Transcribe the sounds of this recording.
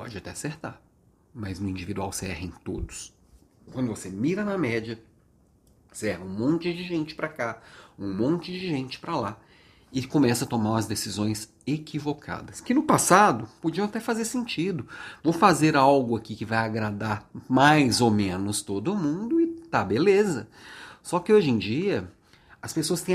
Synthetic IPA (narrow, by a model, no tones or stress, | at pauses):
pɔ̰d͡ʒɪat̪ɛaseɾt̪aɾ | mɐznʊĩd͡ʒivid̪uawsɛhɪẽt̪od̪ʊs | kwɐ̃nd̪ʊvosemiɾɐnɐmɛd͡ʒɐ | sɛhɐũmõnt͡ʃɪd͡ʒɪʒẽnt͡ʃɪ̥pɾɐkaũmõnt͡ʃɪd͡ʒɪʒẽnt͡ʃɪ̥pɾɐla | ɪkõmɛsɐt̪omaɾũmɐzd̪esizõj̃s | ekivokʰa̰d̪ɐskɪnʊpasad̪ʊpod͡ʒiɐ̃w̃at̪ɛfazeɾsẽnt͡ʃid̪ʊvowfazeɾawɡʊakikɪvajaɡɾad̪aɾmajzowmẽnʊst̪od̪ʊːmũd̪ʊɪt̪abelezɐsɔkɪoʒẽd͡ʒiɐ | ɐspesoɐst̪ẽ